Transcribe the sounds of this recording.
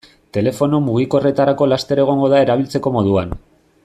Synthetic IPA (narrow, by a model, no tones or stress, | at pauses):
t̪e̞le̞fo̞no̞muɣ̞iko̞re̞t̪aɾako̞last̪e̞ɾe̞ɣ̞o̞ŋɡo̞ðae̞ɾaβ̞ilt͡se̞ko̞mo̞ð̞uan